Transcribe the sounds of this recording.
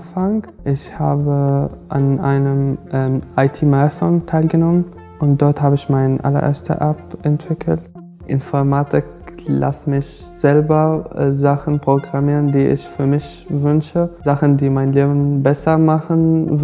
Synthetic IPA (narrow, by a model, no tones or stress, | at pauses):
faŋ | ʔɪçhaːbəʔanʔaɪnəmʔɛʔaɪtʰiːmaːsɔntʰaɪlɡənɔmən | ʊnt̚d̥ɔɐthaːbəɪçmaɪnəʔa̰lɐʔḛːɐstə̰ʔapʔɛntv̥ɪkʰl̩t | ʔɪnfɔɐmaːtʰɪk | la̰smɪç | z̥ɛlbɐzaχn̩pʁ̥oɡʁamiːʁəndiːʔɪ̰çfyːɐmɪç | vʏnʃəz̥aχn̩diːmaɪnleːbn̩bɛsɐmaχən